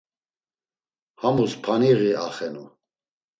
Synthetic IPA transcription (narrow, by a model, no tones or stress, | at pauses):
hamuspʰaniɣiaχɛnu